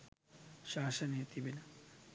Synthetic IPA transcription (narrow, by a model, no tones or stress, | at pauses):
ʃaːʃɐnet̪ibinɐ